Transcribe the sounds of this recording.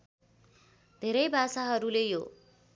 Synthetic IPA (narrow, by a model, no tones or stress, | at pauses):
d̪ʱeɾʌjbʱasaɦʌɾulejo